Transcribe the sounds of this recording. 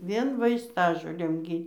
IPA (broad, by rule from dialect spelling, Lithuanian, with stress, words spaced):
ˈʋʲiɛn ʋɐɪsˈtɑːʒoːlʲeːm ˈɡʲiː